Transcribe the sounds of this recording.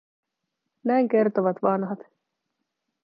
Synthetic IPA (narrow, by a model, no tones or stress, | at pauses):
næjŋk̟e̞rt̪oʋɑt̪ʋɑnɦɑt̪